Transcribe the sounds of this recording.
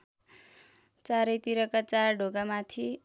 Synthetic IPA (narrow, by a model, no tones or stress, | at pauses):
t͡saɾʌjt̪iɾʌkat͡sarɖʱoɡamat̪ʰi